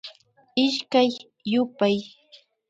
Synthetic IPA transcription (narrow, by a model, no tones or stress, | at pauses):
ɪʃkajː | ʊpaj